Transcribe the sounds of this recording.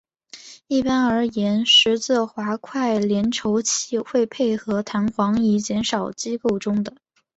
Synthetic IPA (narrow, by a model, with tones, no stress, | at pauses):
i˥˩pa˥nə˞˧˥jɛ˧˥nʂɻ̩˧˥t͡sɹ̩˥˩xwa˧˥kʰwa˥˩ɪljɛ˧˥nʈ͡ʂʰo˧˥ʊt͡ɕʰi˥xwe˥˧ɪpʰe˥˩ɪxɤ˧˥t̪ʰa˧˥nxwɑ˧˥ŋi˧˥t͡ɕjɛ˧˥nʂɑ˨˩ʊt͡ɕi˥ko˥˩ʊʈ͡ʂʊ˥ŋd̪ə˨